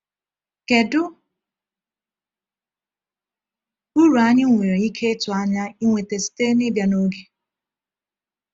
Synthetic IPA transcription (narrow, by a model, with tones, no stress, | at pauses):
ke˨dʊ˦ | u˦ɾu˨a˦ɲɪ˦ŋʷe˨ɾe˨i˦kʰe˦ɪ˦tʊ˨a˦ɲa˦i˦ŋʷe˨te˨si̥˦te˦nɪ˦bja˦no˦ɡe˨